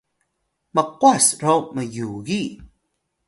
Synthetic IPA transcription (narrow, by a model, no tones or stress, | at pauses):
məqwasɾoməjuɣi